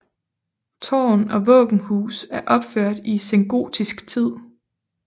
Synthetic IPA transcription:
t͡sʰɒ̰ːnɒ̽ʋɔ̰̽ːb̥n̩huːsæɐʔɒ̽b̥føɐ̰d̥iseŋɡ̥o̝̰ːt͡sisɡ̥t͡sʰið̰ˠ

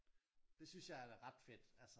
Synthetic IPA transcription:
d̥e̝synsjɑ̈ɪædæʁɑ̈d̥fe̝d̥ælsə

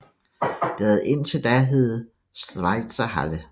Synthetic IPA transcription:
d̥æð̩ˠe̝n̰t͡sʰe̝ld̥æɦe̝ð̩ˠ | sʋɑɪd̥sæɦæ̰lə

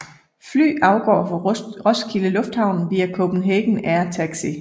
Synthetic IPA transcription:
fly̰ːʔɑ̈ʊɡ̥ɒ̰ːfɒ̽ʁɒ̽skʰiləlɔ̽fd̥hɑ̈ʊ̰nn̩ʋiːækʰoːb̥n̩ɦeɡ̥n̩æɐt͡sʰæɡ̥si

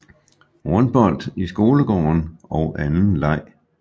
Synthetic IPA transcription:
ʁɔnb̥ɒ̽l̰d̥isɡ̥o̝ːləɡ̥ɒ̰ːnɒʊʔænn̩lɑ̈ɪ̰

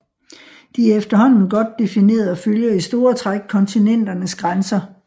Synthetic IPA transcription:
d̥iæɐefd̥ɐhɒ̽n̰n̩ɡ̥ɒ̽d̥̚ːe̝fine̝̰ːɐðˠɒ̽føljəisd̥o̝ːɐt͡sʰʁaɡ̥̚kʰɒ̽nt͡sʰinen̰d̥ɐnəsɡ̥ʁansɐ

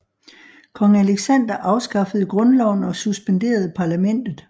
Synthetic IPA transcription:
kʰɒ̽ŋæleɡ̥sæn̰d̥ɐʔɑ̈ʊsɡ̥ɑ̈fəð̩ˠɡ̥ʁɔ̽nlɒʊ̰n̩ɒ̽susb̥end̥e̝̰ːɐð̞̩ˠpʰɑ̈læmen̰d̥ð̩ˠ

